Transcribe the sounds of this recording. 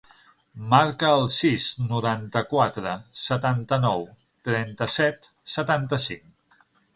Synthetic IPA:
maɾkəːlˠsiznuɾant̪əkwat̪ɾəsət̪ant̪ənɔw | t̪ɾɛnt̪əsɛt̪sət̪ant̪əsiŋ

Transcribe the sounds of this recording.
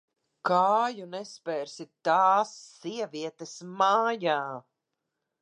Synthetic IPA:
kaːjunɛspɛːɾsit̪aːsːiɛviɛt̪esmaːjaː

